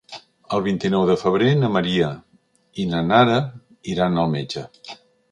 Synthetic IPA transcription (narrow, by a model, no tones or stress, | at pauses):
əlˠβint̪inɔwðəfəβ̞ɾenəməɾiə | inənaɾə | iɾanəlˠmed͡ʒə